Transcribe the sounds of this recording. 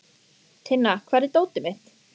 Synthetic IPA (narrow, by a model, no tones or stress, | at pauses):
t̪ʰɪnːakʰvɛɾðɪt̪oːwt̪ɪmɪt̪